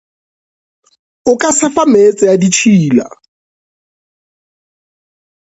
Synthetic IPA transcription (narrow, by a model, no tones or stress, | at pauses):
ʊkʼasɪfamet͡sʼɪjadit͡ʃʰiːla̰